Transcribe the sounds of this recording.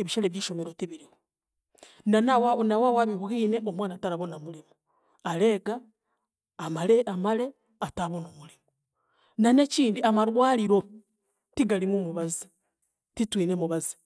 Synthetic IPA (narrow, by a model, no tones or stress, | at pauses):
eβiʃaleβjiːʃomeɾotiβiɾiwo | nanawnawawaβiβɣiːneʔomwaːnataɾaβonamulimu | ale̞ːɡaː | maleamale̞ | ataβonomulimu | naneciːndiamaɾwaːliɾo̞ | tiɡalimwomuβazi̥ | titwiːnemuβazi̥